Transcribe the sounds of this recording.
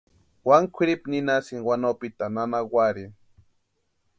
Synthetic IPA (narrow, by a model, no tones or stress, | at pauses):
waŋkʷʰɪɾipninasɪŋwanopit̪ananawaɾi